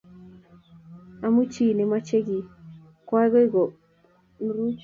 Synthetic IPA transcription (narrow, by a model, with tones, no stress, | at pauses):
a˧˦mu˦t͡ʃi˦˨ne˨ma˦t͡ʃe˦ɡi˨ | kwʷa˦ɣo˦i˦ɡo˨ | n˦ɾu˦t͡ʃ